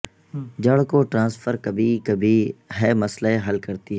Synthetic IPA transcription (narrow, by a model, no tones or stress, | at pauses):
d͡ʒɐɽkoʈɾãːsfʰəɾkɐbʱikɐbʱiɦɛːmɐslaeɦɐlkɐɾt̪iɦɛː